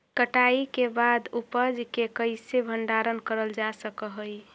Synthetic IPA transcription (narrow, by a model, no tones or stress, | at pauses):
kəʈaikebad̪upəd͡ʒkekəɪsebʱəɳɖaɾənkəɾəld͡ʒasəkəɦəj